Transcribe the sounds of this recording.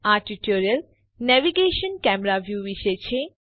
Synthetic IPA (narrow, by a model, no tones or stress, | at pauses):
aʈiʈoɾel | nɛʋiɡeʃonkɛmeɾabʱjubiʃet͡ɕʰe